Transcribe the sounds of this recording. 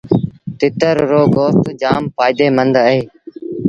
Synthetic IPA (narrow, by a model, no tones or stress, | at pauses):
t̪ɪt̪əɾːoːɡoːst̪d͡ʒaːmpaːɪd̪eːmənd̪əeː